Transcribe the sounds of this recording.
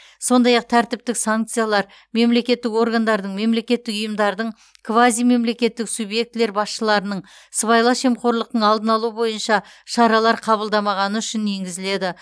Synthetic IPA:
so̞nd̪ɑjɑq̚t̪ʰæɾt̪ɪp̚t̪ɪksaŋk̚t̪sɨjalˠɑɾ | me̞mle̞kʲe̞t̪ːɪko̞ɾɡand̪ɑɾd̪əɴme̞mle̞kʲe̞t̪ːɪkʊjəmd̪ɑɾd̪əɴ | kʰvazijme̞mle̞kʲe̞t̪ːɪksubje̞k̚t̪ɪle̞ɾbɑsʃəlˠɑɾənəɴ | səβɑjlˠɑʃe̞mqo̞ɾlˠəqt̪əɴɑlˠd̪ənɑlˠuəbo̞jənʃɑ | ʃɑɾɑlˠɑɾqʰɑβəlˠd̪ɑmɑʁɑnəʏʃɪne̞ŋɡʲɪzɪle̞d̪ɪ

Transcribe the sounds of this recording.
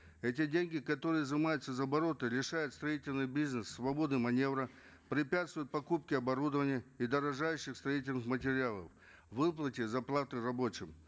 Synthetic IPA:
ɛtʲɪdʲenʲɡʲɪkɐt̪o̞ɾɨjəzɨmajʊt̪səzəɐbɐɾo̞t̪ɨlʲɪʂajʊt̪st̪ɾɐitʲɪlʲnɨjbʲiznəsːvɐbo̞d̪ɨmɐnʲe̞vɾə | pɾʲɪpʲat̪st̪vʊjʊt̪̚pɐkup̚kʲɪɐbɐɾud̪əvənʲɪjəid̪əɾɐʐajʉɕːɪxst̪ɾɐitʲɪlʲnɨxmətʲɪɾʲɪalˠə̰f | vɨplˠətʲɪzɐplˠat̪ɨrɐbo̞t͡ɕɪm

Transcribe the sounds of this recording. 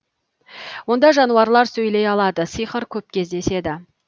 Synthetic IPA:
wo̞nd̪ɑʒɑnuɑɾlˠɑɾsɵjle̞jɑlˠɑd̪əsijχəɾkʲʰɵp̚kʲʰe̞zd̪e̞se̞d̪ɪ

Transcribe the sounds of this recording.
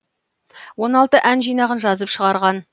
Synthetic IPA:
wo̞nɑlˠt̪əʔænʒijnɑʁənʒɑzəpʃəʁɑɾʁɑn

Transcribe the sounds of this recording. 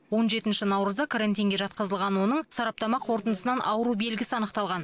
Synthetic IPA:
wo̞nʒe̞t̪ɪnʃɪnɑwɾəzd̪ɑkʰaɾant̪ʲijŋɡʲe̞ʒɑt̪̚qəzəlˠʁɑnwo̞nəɴsɑɾɑp̚t̪ɑmɑqʰo̞ɾt̪ənd̪əsənɑnʔɑwəɾube̞lɡʲɪsɪɑnəqt̪ɑlˠʁɑn

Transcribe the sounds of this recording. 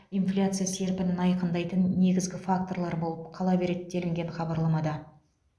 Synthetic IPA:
ijnflʲat̪sɨjase̞ɾpɪnɪnɑjqənd̪ɑjt̪ənːe̞ɡʲɪzɡʲɪfak̚t̪o̞ɾlˠɑɾbo̞lˠəp̚qʰɑlˠɑbe̞ɾet̪̚d̪e̞lɪŋɡʲe̞ɴχɑbɑɾlˠɑmɑd̪ɑ

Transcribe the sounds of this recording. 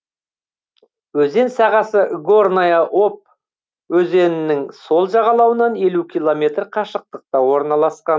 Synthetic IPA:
wɵze̞nsɑʁɑsəɡornajaʔop̚ | wɵze̞nɪnɪŋso̞lˠʒɑʁɑlˠɑwənɑne̞lukʲʰilˠo̞mʲe̞t̪ɾqʰɑʃəq̚t̪əq̚t̪ɑwo̞ɾnɑlˠɑsqɑn

